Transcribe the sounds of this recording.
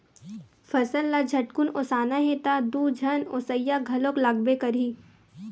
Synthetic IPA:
fɐsəlːad͡ʒʱɐʈkʊnoːsaːnaɦet̪ad̪uːd͡ʒʱɐnoːsəjaɡʱɐloklaːɡbekɐɾiː

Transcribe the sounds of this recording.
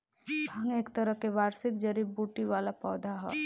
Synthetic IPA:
bʱaŋekt̪əɾəɦkeʋaɾsik̪̚d͡ʒəɾibbuʈiʋalapɔːd̪ʱaɦɔ̰

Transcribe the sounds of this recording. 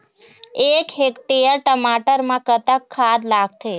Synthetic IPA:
ekɦekʈejəɾʈəmaʈəɾmãkət̪əkʰːad̪laɡ̚t̪ʰe

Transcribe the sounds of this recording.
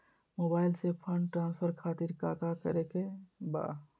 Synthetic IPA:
moːbaːɪlsepʰə̃ɳɖʈɾãːnspʰəɾkʰaːt̪iɾka̰ːkakəɾekeba̰ː

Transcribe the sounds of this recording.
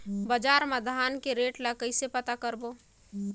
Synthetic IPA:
bəd͡ʒaːɾməd̪ʱaːnkeɾeːʈlakəɪsepət̪akəɾbo

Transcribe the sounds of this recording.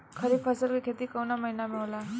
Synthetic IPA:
kʰʌɾibpʰʌsʌlkokʰet̪ikʌwnamʌjnamewla

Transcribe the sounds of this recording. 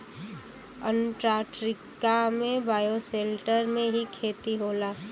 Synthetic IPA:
ənʈɾaːʈɾɪkamẽbaːjoseːlʈəɾmẽɦikʰeːt̪iɦoːlaː

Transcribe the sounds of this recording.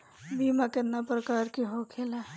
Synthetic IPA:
bimakenapɾəkaɾkeɦokʰela

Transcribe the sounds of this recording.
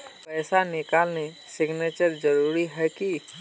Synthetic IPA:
pɛːsanɪkaːlne | sɪɡneːt͡ʃəɾd͡ʒəɾuːɾiɦɛki

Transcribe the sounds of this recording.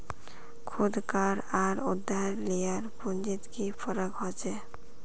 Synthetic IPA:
kʰud̪kaɾaɾud̪ʱːaɾlijaɾpund͡ʒit̪kifʰɔɾɔkɦɔt͡ʃʰe

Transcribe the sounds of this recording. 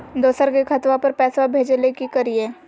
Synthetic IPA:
d̪oːsəɾkekʰɐt̪ʋapɐɾpɛːswabʱeːd͡ʒelekikɐɾieː

